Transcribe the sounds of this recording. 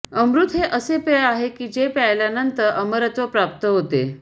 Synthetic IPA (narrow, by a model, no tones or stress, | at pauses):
əmɾut̪ɦeʔəsepeaɦekiːd͡ʑepajljanənt̪əɾʔəməɾət̪ʋəpɾap̚t̪əɦot̪e